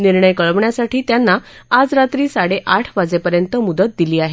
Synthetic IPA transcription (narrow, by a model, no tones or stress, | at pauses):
niɾɳəjkəɭəʋɳjasaʈiːt̪janːaad͡zɾat̪ɾiːsaɽeʔaʈʰbad͡zepəɾjənt̪əmud̪ət̪̚d̪iliːaɦe